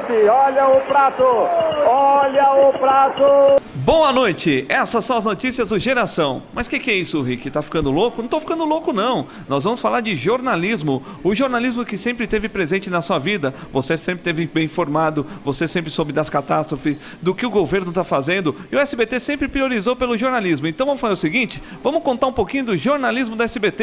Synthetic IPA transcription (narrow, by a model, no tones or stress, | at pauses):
pɪɔʎɐʊpɾat̪ʊɔʎɐʊpɾat̪ʊbõw̃ɐnojt͡ʃɪɛsɐsɐ̃w̃ɐznot͡ʃisiɐzd̪ʊʒeɾasɐ̃w̃mɐskɪkɪɛisʊʊɦikɪt̪afi̥knd̪ʊlokʊñt̪ofi̥kɐ̃nd̪ʊlokʊnɐ̃w̃ | nɔzvɐ̃mʊsfalaɾd͡ʒɪʒoɾnalizmʊ | ʊʒoɾnalizmʊkɪsẽmpɾɪt̪evɪpɾezẽnt͡ʃɪnɐsuɐvid̪ɐ | vosesẽpɾɪt̪evɪ̃bẽj̃ĩfoɾmad̪ʊvosesẽmpɾɪsobɪd̪ɐskat̪ast̪ɾofɪs | d̪ʊkɪʊɡoveɾnʊt̪afazẽnd̪ʊɪʊɛsɪbet̪esẽmpɾɪpɾioɾizowpelʊʒoɾnalizmʊẽnt̪ɐ̃w̃vɐ̃mʊfalaɾʊsɪɡĩt͡ʃɪ̥ | vɐ̃mʊskõnt̪aɾũpokĩɲʊd̪ʊʒoɾnalizmʊd̪ʊɛsɪbet̪e